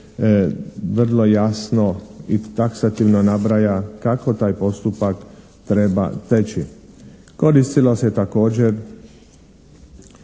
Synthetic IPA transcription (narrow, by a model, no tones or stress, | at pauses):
ʋr̩lo̞jasno̞it̪aksat̪iʋnonabɾajakako̞t̪aːjpo̞st̪upak | t̪ɾe̞ba̰t̪et͡ɕi | ko̞ɾist̪iloset̪ako̞ːd͡ʑeɾ